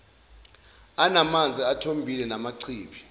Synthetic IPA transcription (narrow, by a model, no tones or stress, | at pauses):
anamand͡zʱiatʰombʱilɛnamaǀʰiːɓi